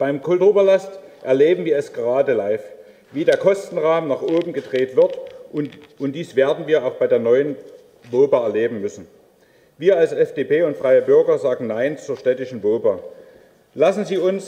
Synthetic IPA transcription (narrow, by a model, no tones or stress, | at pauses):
b̥aɪmkʰʊltoːbɐlastʔɛɐleːbm̩viːɐɛsɡ̥əʁaːdəlaɪf | viːdeːɐkʰɔstn̩ʁaːmnaːχʔoːbm̩ɡədʁeːtv̥ɪɐt | ʊntd̥iːsv̥eːɐdn̩viːɐaʊxb̥aɪdeːɐnɔʏən | voːbaɛɐleːbm̩mʏsn̩ | viːɐalsɛfd̥eːpʰeːʊntfʁ̥aɪəbʏɐɡɐzaːɡŋ̩naɪnt͡suːɐʃtɛtɪʃn̩voːba | lasn̩ziːʊns